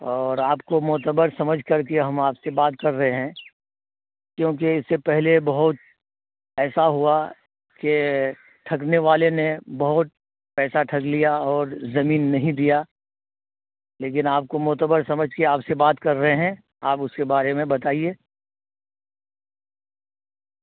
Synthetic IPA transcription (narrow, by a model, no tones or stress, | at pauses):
ɔːɾaːpkomʊːt̪əbəɾsɐməd͡ʒʱkɐɾkeɦɐmaːpsebaːt̪kɐɾːɐɦeɦɛ̃ | kjõːk̬eɪsːepɛɦlebɐɦʊt̪̚ | ɛːsaɦua | ke | ʈʰɐk̬neʋaːlenebɐɦʊt̪̚ | pɛːsaʈʰɐklijaɔːɾzɐmiːnːɐɦĩd̪ija | leːk̬ɪnaːp̚komʊɦt̪əbəɾsɐməd͡ʒʱkeaːpsebaːt̪kɐɾːɐɦeɦɛ̃ | aːpʊskebaːɾemẽbɐt̪aːieː